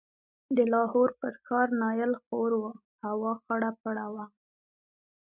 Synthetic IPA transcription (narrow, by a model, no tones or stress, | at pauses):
d̪əlɑhoɾpəɾxɑɾnɑjəlxoɾwə | hawɑxaɽapaɽawa